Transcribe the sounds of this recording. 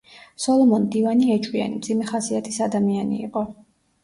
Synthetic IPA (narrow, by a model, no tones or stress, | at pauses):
sɔlˠɔmɔnd̪ivaniɛt͡ʃʼwia̰nimd̪zimɛχasiat̪ʰisad̪amianḭːqʼɔ